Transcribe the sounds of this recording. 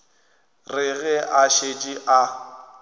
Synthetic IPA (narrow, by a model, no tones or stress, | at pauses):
rɪɣɛʔaʃet͡ʃʼɪʔa